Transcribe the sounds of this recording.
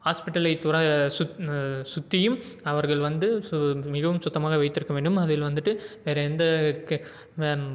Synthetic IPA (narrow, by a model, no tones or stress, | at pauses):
haːspɪʈːɐlɐɪt̪ʊɾɐssʊt̪ːɪjɯm | ɐʋɐɾɣɐɭʋɐnd̪ɯmɪɣɐʋɯmsʊt̪ːɐmaːɣɐʋɐɪt̪ːɪɾɯkːɐʋeːɳɖɯmɐðɪlʋɐnd̪ɯʈːɯʋeːɾɐɛnd̪ɐk